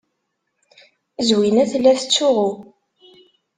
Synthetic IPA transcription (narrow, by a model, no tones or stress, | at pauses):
zwinæθlːæθət͡sːʊʁʊ